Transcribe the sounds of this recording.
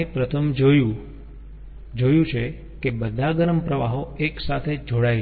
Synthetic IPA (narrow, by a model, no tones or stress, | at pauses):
epɾət̪ʰəmd͡ʒju | d͡ʒojũt͡ʃʰe | kebəd̪ʱaɡəɾəmpɾəʋaɦoeksat̪ʰed͡ʒʱoɽaj